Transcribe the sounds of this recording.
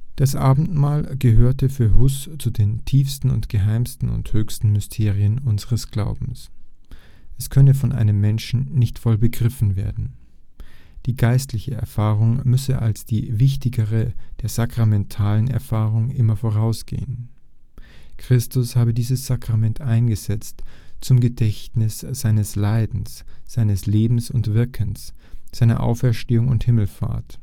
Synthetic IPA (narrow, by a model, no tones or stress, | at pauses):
d̥asʔaːbm̩tmaːlɡ̥əɦøːɐtəfyːɐɦʊst͡sudeːntʰiːfstn̩ʊ̰ntɡ̥əɦaɪmstn̩ʊ̰nthøːçstn̩mʏstʰeːʁ̞iənʔʊnzəʁəsɡ̥la̰ʊbm̩s | ʔɛskʰœnəfɔnʔa̰ɪnəmːɛnʃn̩nɪçtfɔlbəɡʁɪfn̩vḛːɐdn̩ | d̥iːɡaɪstlɪçəɛ̰ɐfaːʁʊŋmʏsəʔa̰lsd̥iːvɪçtɪɡəʁəd̥eːɐz̥akʁ̥amɛntʰaːlənɛ̰ɐfaːʁʊŋʔɪmɐfoːʁ̞aʊsɡ̥ḛːən | kʁ̥ɪstʊshaːbədiːzəsz̥akʁ̥amɛntʔaɪnɡəzɛt͡stt͡sʊmɡədɛçtnɪsz̥aɪnəslaɪdn̩sz̥aɪnəsleːbm̩sʊntv̥ɪɐkʰəns | z̥aɪnɐ̰ʔa̰ʊfɛɐʃteːʊŋʊnthɪml̩fa̰ːɐt